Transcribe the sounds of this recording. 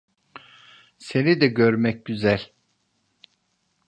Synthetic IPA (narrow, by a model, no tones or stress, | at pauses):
se̞nid̪ɛɟøɾmɛc̚ɟyzælʲ